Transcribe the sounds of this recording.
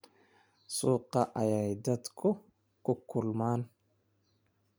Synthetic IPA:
suːqːɑʔɐjajd̪ɐt̪kʰʊ | kʊkʰːʊlmaːn

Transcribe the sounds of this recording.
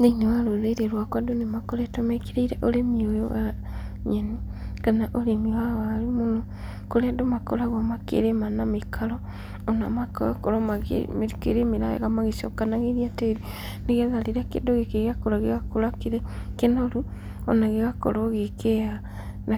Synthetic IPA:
nenewaɾoðeɾeɾwakwadonemakoɾetomekiɾeiɾeʔolemiojoɣaɲenikanaʔoɾemiwaɣaɾimono | koɾeadomakoɾaɣomakḛɾemanamekʰaɾɔː | na̰makoa̰koɾoma̰mkḛɾemeɾaḛɣamaɣesɔkanaɣeɾiateɾi | neɣeðaleɾakḛdoɣekeɣakoɾaɣeɣakoɾakeɾekenoɾu | o̰naɣeɣako̰ɾoɣekeja | na

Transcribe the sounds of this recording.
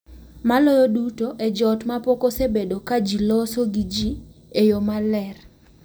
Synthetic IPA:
malɔjodutoʔed͡ʒɔtmapokosebedokad͡ʒilɔsoɡid͡ʒiejomalɛr

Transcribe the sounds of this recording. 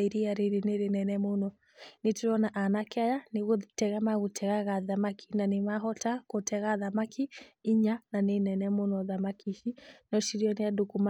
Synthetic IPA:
iɾiaɾiɾineɾenɛnɛmonɔ | netuɾɔnaʔanakajanɪɣotɛɣamaɣutʰɛɣaɣaðamakʰi̥nanɪmaɦɔtakotʰɛɣaðamakʰiiɲananenɛnɛmonɔðamakiʃinɔʃiɾiɔniadokuma

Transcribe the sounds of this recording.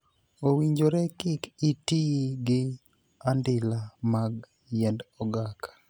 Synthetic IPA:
owiɲd͡ʒoɾɛkɪkitiɡɪ | andɪlamaɡ | jɛndɔɡakḁ

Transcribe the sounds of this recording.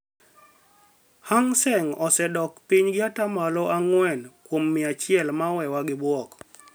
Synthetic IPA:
haŋsɛŋɔsɛdɔkpiɲɡɪatamalɔaŋwɛnkwomːɪat͡ʃɪɛlmawɛwaɡɪbwɔk

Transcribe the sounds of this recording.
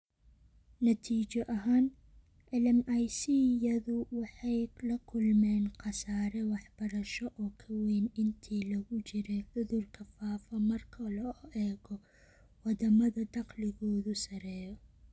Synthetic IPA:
nɐt̪ʰiːt͡ʃɔʔɐɦaːn | ʕɪlɪmɐjsijɐðʊwɑħɑjlɐkʰʊlmɛːnqɑsaːɾɛwɑħb̥ɐɾɐʃɔʔɔːkʰɐwɛːnɪnt̪ʰiːlɐɣʊt͡ʃɪɾɛʕʊðʊrkʰɐfaːfɐmɐrkʰɐlɔʔɛːɣɔ | wɑd̪ɐmɐðɐd̪ɑqlɪɣɔːðʊsɐɾɛːjɔ

